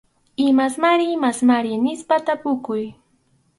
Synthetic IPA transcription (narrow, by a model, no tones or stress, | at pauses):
ɪmasmaɾɪmasmaɾɪnɪspat̪apʊkʊj